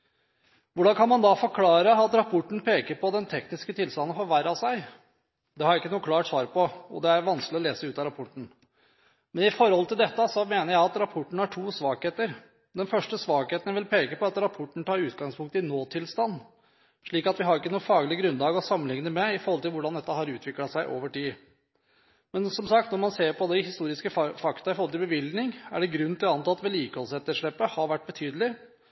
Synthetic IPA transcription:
ʋʊɖɑnkʰɑnmɑnd̪ɑfɔɾkʰlɑːɾəɑt̪ɾɑpʰɔʈːɳ̩pʰeːkəɾpʰɔd̪ɛnt̪ʰɛknɪskət̪ʰɪlst̪ɑnːənfɔɾʋæɾɑʋsæɪ | d̪ɛhɑɾɪkːənuːəkʰlɑːʈsʋɑːɾpɔɔ̰d̪ɛæɾʋɑnsklɪɔleːsəʉːt̪ɑɾɑpʰɔʈːɳ̩ | mɛnɪfɔɾhɔlːət̪ʰɪld̪ɛt̪ːəsɔmeːnəɾjæɪɑt̪ɾɑpʰɔʈːɳ̩hæʈʰuːsʋɑːkheːt̪əɾ | d̪ɛnfœʂʈəsʋɑːkheːt̪ənəʋɪlpʰeːkəpɔɑt̪ɾɑpʰɔʈːəɳ̩t̪ʰɑːɾʉːt̪ɡɑŋspʰʊŋk̚t̪əɪnoːt̪ʰɪlst̪ɑnː | ʂɭiːkɑt̪ʋɪɦɑɾɪkːənuːəfɑːɡəlɪəɡɾʉnlɑːɡɔsɑmːənlɪŋnəmɛɪfɔɾhɔlt̪ɪlʋʊɖɑnd̪ɛt̪ːəhɑɾʉːt̪ʰʋɪklɑsæɪʔo̰ːʋəʈiː | mɛnsɔmsɑkt̪nɔɾmɑnseːɾpʰɔd̪ɛhɪst̪uːɾɪskəfɑkt̪ɑɪfɔɾhɔlt̪ɪlbəʋɪld̪nɪŋæ̰ɖɛɡɾʉn̩ːt̪ʰɪlɑnt̪ɑt̪ːʋɛliːkəhɔlsɛt̪ːəʂɭɛpːəhɑɾʋæʈ̚ːbət̪ʰyːd̪əlɪ

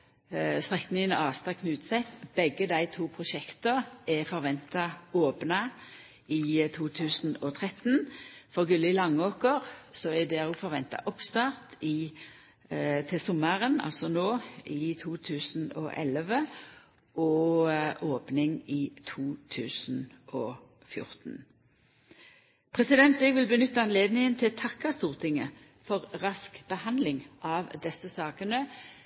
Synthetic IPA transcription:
st̪ʁɛknɪŋənɑːst̪ɑkʰnʉːt̪sɛt̪b̥ɛɡəd̪æɪt̪ʰuːpʰʁʊʃɛkt̪əɛfɔɾʋɛnt̪ɑoːpnɑ | ɪt̪ʰuːt̪ʰʉːsn̩ɔt̪ʰʁɛt̪nfɔʁɡʉlːɪlɑŋːoːkəʁsɔɛd̪ɛʁʊfɔɾʋɛnt̪ɑ̰ʔɔpst̪ɑːʁt̪ɪ | t̪ʰɪlsɔməʁənɑ̰lsɔnoːɪt̪ʰuːt̪ʰʉːsn̩ɔ̰ʔɛ̰ləʋə | ɔʔoːpnɪŋit̪ʰuːt̪ʰʉːsn̩ | ʔɔː | fjʊ̰ʁt̪n̩ | pʰʁɛsɪd̪ɛnt̪ɛɡʋɪlbənʏt̪ːəɑnleːd̪nɪŋənt̪ʰɪlt̪ʰɑkːɑst̪uːʁt̪ʰɪŋə | fɔʁʁɑskb̥əhɑnd̪lɪŋʔɑʋd̪ɛsːəsɑːkənə

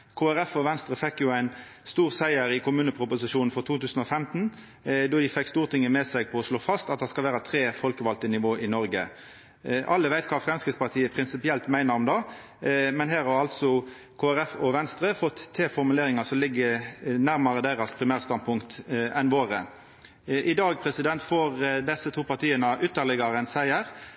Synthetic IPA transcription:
kʰoːæɾɛfɔʋɛnst̪ɾəfɛkːjʊæɪnst̪uːʁsæɪəɾɪkʰʊmʉːnəpʰʁʊpʊsɪʃuːnn̩fɔʁt̪ʰuːt̪ʉːsən̩ɔfɛmt̪n̩ | d̪ɔd̪ɪfɛkːst̪uːʁt̪ʰɪŋːəmɛsɛɡ̚pʰɔɔsloːfɑst̪ɑt̪d̪ɛskɑlʋæːɾət̪ʰɾeːfɔlkəʋɑlt̪ənɪʋoːʔɪnɔɾɡə | ʔɑlːəʋæɪt̪kʰɑːfɾʁɛmskɾɪt̪spɑʁt̪ʰiːəpʰɾɪnsɪpɪɛlt̪mæɪnəɾɔmd̪ɑ | mɛnɦæːʁhɑɾɑlt̪sɔ | kʰoːæɾɛfɔʋɛnst̪ʁəfɔt̪ʰːeːfɔʁmʉleːɾɪŋɑsɔmlɪɡːənæʁmɑʁəd̪æʁɑspʰɾɪmæːʁst̪ɑn̚pʰʊŋkt̪ʔɛnʋoːʁə | ʔɪd̪ɑːɡ̚pʰʁɛsɪd̪ɛnt̪foːɾd̪ɛsːət̪ʰuːpɑʁt̪ʰiːənəʔʉt̪ːəʁlɪɡɑɾənsæɪəʁ

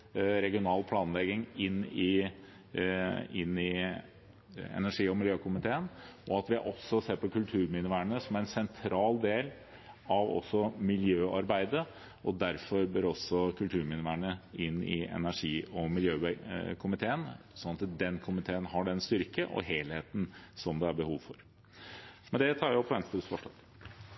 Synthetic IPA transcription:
ɾɛɡɪʊnɑːlpʰlɑːnlɛɡɪŋɪnːɪ | ɪnːɪ | ɛ̰næʂiːɔmɪljøːkʊmɪt̪ʰeːənɔɑt̪ʋɪʔɔsːɔseːɾpɔkʰʉlt̪ʰʉːɾmɪnəʋæːɳəsɔmæɾɛnsɛnt̪ʰɾɑːld̪eːl | ɑʋɔ̰sːɔmɪljøːʔɑɾbæɪd̪ə | ɔd̪æɾfɔɾbøːɾɔsːɔkʰʉlt̪ʰʉːɾmɪnəʋæːɳəɪnːɪ̰ɛ̰næʂiːɔmɪljøːkʰʊmɪt̪ʰeːən | sɔnːɑt̪d̪ɛnkʰʊmɪt̪ʰeːənɦɑɖɛnst̪ʏɾkəʔɔ̰ɦeːlheːt̪nsɔmd̪ɛæɾbəhuːʋfɔɾ | mɛnd̪ɛt̪ʰɑːɾjʊʊpʰːɔʋɛnst̪ɾəsfɔʂɑt̪

